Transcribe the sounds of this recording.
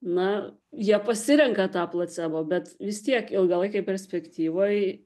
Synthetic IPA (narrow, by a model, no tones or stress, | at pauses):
nɐ | jiɛpɐsʲɪɾʲɛŋkɐt̪ɑːplˠɐt͡s̪ʲɛboːbʲɛt̪ʋʲɪst̪ʲiɛkɪlˠɡɐlˠɐɪkɐɪpʲɛɾʲsʲpʲɛkt̪ʲiːʋoːj